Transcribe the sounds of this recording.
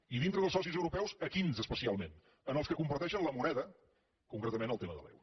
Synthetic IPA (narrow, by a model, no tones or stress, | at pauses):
iðint̪ɾəðəlˠsɔsizəwɾupɛwzəkinzəspəsialˠmen | ənəlˠskəkumpəɾt̪ɛʃənləmunɛðə | kuŋkɾɛt̪əmenəlˠt̪eməðə̰lɛ̰w